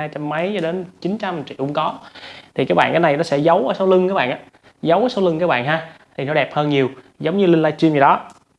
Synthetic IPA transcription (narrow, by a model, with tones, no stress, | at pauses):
aː˧jt͡ɕa˧mːə˨˦jt͡ɕɔ˧ɗe˨˦nt͡ɕi˨˦nt͡ɕa˧mt͡ɕḭ˧˨ʔʊ̰˧˦ŋ͡mkɔ˨˦t̪ʰi˨˩kaː˨˦˥kɓa̰ː˧˨nkaː˨˦jna˨˩jnɔ˨˦sɛ̰˧˥zə˨˦wəː˨˦sa˨˦wlɨ˧ŋkaː˨˦˥ɓa̰ː˧˨nʔaː˧˦ | zə˨˦wsɔ˨˦wlɨ˧ŋkaː˨˦˥ɓa̰ː˧˨nɦaː˧t̪ʰi˨˩nɔ˨˦ɗɛ˨˩p̚həː˧nɲi˨˩əw | zə˨˦wŋ͡mɲɨ˧lï˧ŋlaː˧t͡ɕwi˧mə˨˩ɗɔ˨˦